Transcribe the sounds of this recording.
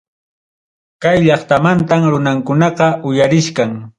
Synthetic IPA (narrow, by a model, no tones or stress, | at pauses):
kajʎɑχt̪amant̪amɾʊnaŋkʊnɑqɑʔʊjaɾɪʃkaŋ